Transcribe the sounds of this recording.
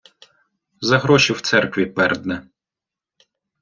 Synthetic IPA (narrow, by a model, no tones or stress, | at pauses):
zɐɦɾɔʃʲiwt̪sɛrkʋʲipɛrd̪nɛ